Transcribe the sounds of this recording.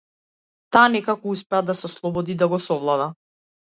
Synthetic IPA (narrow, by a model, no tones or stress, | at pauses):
t̪aːnɛkakɔuspɛad̪asɛɔslˠɔbɔd̪id̪aɡɔsɔvlˠad̪a